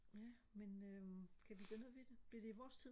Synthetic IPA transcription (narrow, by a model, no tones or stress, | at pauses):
jæ | menøkʰæʋiɡ̥ønˠʋid̥eb̥liɐd̥e̝iʋɒːst͡sʰiðˠ